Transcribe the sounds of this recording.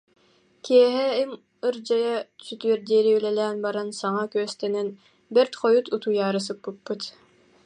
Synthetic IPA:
kiɛɦɛɛm | ɯɾd͡ʑajasyt̪yœɾd̪iːɾiylɛlɛːnbaɾansaŋakyœst̪ɛnɛn | bɛɾt̪χɔjut̪ut̪ujaːɾɯs̬ɯpːɯpːɯt̪

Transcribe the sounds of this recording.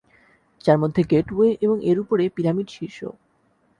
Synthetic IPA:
d͡ʑaɾmod̪ʱːeɡeʈweʔeboŋeɾupoɾepiɾamiɖʃiʃo̰

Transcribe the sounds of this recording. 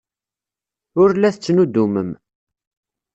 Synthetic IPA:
ʊɾlæθət͡sːnud̪ːuməm

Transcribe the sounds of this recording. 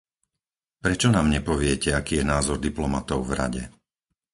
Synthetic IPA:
pɾɛt͡ʃɔnaːmɲɛpɔʋɪɛcɛakiːjɛnaːzɔɾd̪iplɔmat̪ɔʊvɾa̰ɟɛ̰

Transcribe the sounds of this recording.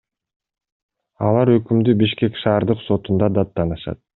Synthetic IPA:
ɑ̰lˠɑɾø̞kymd̪ybiʃke̞kʃɑːɾd̪ɯqso̞t̪und̪ɑd̪ɑt̪ːɑnɯʃɑ̰t̪̚

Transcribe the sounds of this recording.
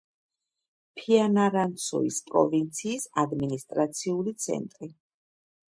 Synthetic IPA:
pʰianaɾant̪sʰɔ̰ḭspʼɾɔ̰vint̪sʰiːsad̪minist̪ʼɾat̪sʰiulit̪sʰɛ̰nt̪ʼɾi

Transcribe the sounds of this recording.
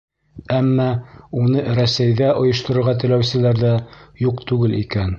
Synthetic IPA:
æmːɑunɤɾæsæjðæʔŏjŏʃt̪ŏɾŏɾʁɑt̪ɘ̆læwsɘ̆læɾðæjuqt̪ʉɡɘlikæn

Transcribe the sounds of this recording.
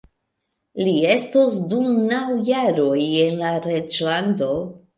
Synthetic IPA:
lie̞stosdumnawjaɾo̞je̞nlaɾe̞d͡ʒlando̞

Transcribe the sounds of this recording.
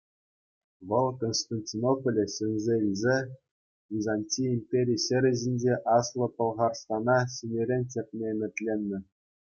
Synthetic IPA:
ʋɤ̆lˠkonst̪ɑnʲtʲinopolʲɘ̆ɕɘ̆nʲzʲeʋʲizʲe | vʲizɑnʲtʲiimʲpʲeɾʲijɕɘ̆ɾʲɘ̆ʑinʲd͡ʑeʔɑslˠɤ̆pɤ̆lˠʁɑrst̪ɑnɑɕinʲeɾʲenʲtʲepʲnʲemʲɘ̆t̪ʲlʲenʲːɘ̆

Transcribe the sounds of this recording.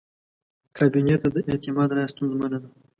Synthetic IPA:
kʰɑbinet̪ad̪əʔet̪ɪmɑd̪ɾɑjast̪unzmanad̪a

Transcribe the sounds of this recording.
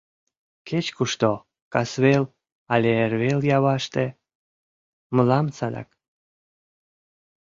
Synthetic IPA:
ket͡ɕkuʃt̪o | kɑsβel | ɑlʲeerβeljɑβɑʃt̪e | məlɑmt͡sɑd̪ɑ̰k

